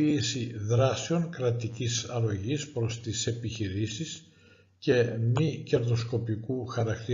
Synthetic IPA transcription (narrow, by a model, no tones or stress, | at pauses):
iːsiðɾɐsioŋkɾɐt̪icisɐɾo̞ʝispɾo̞st̪ise̞piçiɾisis | ce̞mice̞ɾðo̞sko̞pikuxɐɾɐk̚t̪i